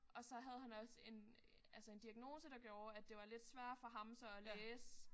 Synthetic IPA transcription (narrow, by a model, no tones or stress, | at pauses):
ʔɒ̽sɒ̽ɦæð̞̩ˠhænɒ̽se̝n | ælsəe̝nd̥iæɡ̥no̝ːsəd̥ɑ̈ɡ̥jo̝ːɐæd̥e̝ʋɑ̈le̝d̥sʋæɐ̰d̥fɒ̽ɦɑ̈msɒ̽æleːs